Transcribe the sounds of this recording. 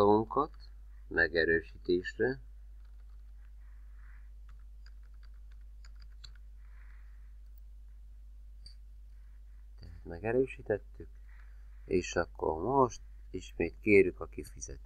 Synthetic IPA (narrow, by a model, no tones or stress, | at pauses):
oɡuŋkɒt̪ | mɛɡɛɾøːʃit̪eːʃrɛ | t̪ɛɦæt̪mɛɡɛɾøːʃiːt̪ɛt̪ːyk | eːʃɒkːo̰rmoʃt̪ | iʃmeːt̪keːɾjykɒkifizɛ̰t̪